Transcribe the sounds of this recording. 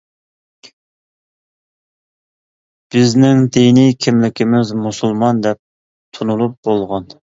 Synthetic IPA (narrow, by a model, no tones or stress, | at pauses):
b̥ɪznɪŋd̪enikʲʰɪmlɪkʲɪmɪzmusulˠmɑnd̪ɛp̚ | t̪ʰunulˠup̚bolˠʁɑn